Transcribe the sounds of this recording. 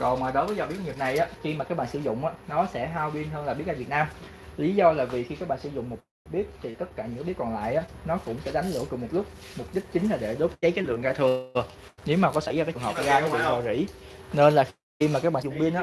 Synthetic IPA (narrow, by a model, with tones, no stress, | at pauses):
kɔ˨˩maː˨˩ɗo˨˦jvəː˨˦jzɔ˨˩ɓi˦˥ət̚ɲi˨˩p̚na˨˩jʔaː˨˦xi˧maː˨˩kaː˦˥k̚ɓa̰ː˧˨sɨ̰˧˦zʊ̰˧˨ŋ͡mʔaː˨˦nɔ˨˦sɛ̰˧˥ɦaː˧wɓi˧ənɦəː˧nla˨˩ɓi˦˥əaː˧˩vt̚naː˧m | li˨˦zɔ˧laː˨˩vi˨˩xi˧kaː˦˥k̚ɓaː˧˨nsɨ̰˧˩zʊ̰˧˨ŋ͡mmo˨˩t̚ | ɓi˦˥ət̚t̪ʰi˨˩t̪ə˦˥t̚kaː˧˩ɲɨ̰˧˥kːaː˨˦ɓi˦˥əkɔ˨˩nla̰ː˧˨jʔaː˨˦nɔ˨˦kʊ̰˧˥ŋ͡msɛ̰˧˥ɗa˨˦jŋ̟lɨ̰˧˥əkʊ˨˩ŋ͡mmo˨˩t̚lʊ˦˥k͡p̚ | mʊ˨˩p̚ɗi˦˥k̟̚t͡ɕï˨˦ŋ̟laː˨˩ɗe˧˩ɗo˨˦˥p̚t͡ɕə˨˦jka˨˦lɨ̰˧˨əŋɣaː˧t̪ʰɨ˨˩əne˨˦wmaː˨˩kɔ˨˦sa˧˥jaː˨˧kaː˨˦t͡ɕɨ˩ŋɦəː˨˩p̚ɣaː˧kːva̰ː˨˩ʔɔ˨˩zḭ˧˩˥ne˧nlaː˨˩x | i˧maː˨˩aː˦˥k̚ɓaː˧˨zʊ̰˨˩ŋ͡mɓi˧ənʔaː˨˦